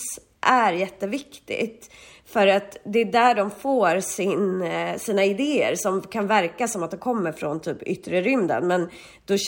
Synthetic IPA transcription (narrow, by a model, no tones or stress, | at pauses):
s | ʔæɾjɛt̪ːəvɪkt̪ɪ̰ɡt̪ | fœɾat̪d̪ɛːd̪æːɖɔmfoːɾsɪnsiːnaɪd̪eːə̰ɾsɔmkʰanvæɾkasɔmat̪̚d̪ɛkʰɔmːəɾfɾont̪ʰyːpʏ̰t̪ːɾəɾʏmd̪ə̰nmɛn | d̪̥ɔɕ